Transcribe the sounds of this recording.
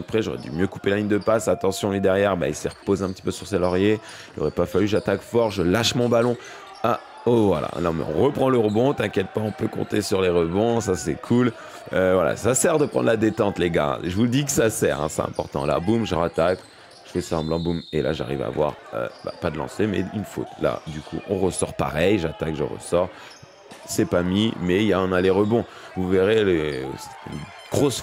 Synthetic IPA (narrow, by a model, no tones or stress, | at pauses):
əpχɛʒo̰ʁɛ̰d̪ymjøku̥pelaliɲd̪əpasat̪ɑ̃sjɔ̃lid̪ɛʁjɛʁba̰ilsiʁəpozeɛ̃pət̪i̥pøsyʁselɔʁje | ilʔo̰ʁɛpafalyʒat̪akfɔʁʒəlaʃmɔ̃balɔ̃ | a | ovwala̰nɔ̃mɛ̰ɔ̰̃ʁəpχɑ̃ləʁəbɔ̃t̪ɛ̃kjɛt̪̚paɔ̃pøkɔ̰̃t̪esyʁleʁəbɔ̃sasɛkʰul | øvwala̰sasɛʁd̪əpχɑ̰̃nd̪lad̪et̪ɑ̃t̪leɡa̰dʒəvud̪ikə̥sasɛʁɛ̰̃sɛ̰ɛ̰̃pɔʁt̪ɑ̰̃la̰bumʒəʁat̪ak | ʒ̥əfɛsaɑ̃blɑ̃bumela̰ʒa̰ʁiva̰vwa̰ʁø̰bapad̪əlɑ̰̃semɛ̰ynfo̰t̪la̰d̪ykʰṵʔɔ̃ʁəsɔʁpa̰ʁɛjʒat̪akʒə̰ʁə̰sɔʁ | sɛpamimɛijaɔ̃naleʁəbɔ̃ | vuveʁeləsɛ̥t̪y̰n | ɡ̥ʁos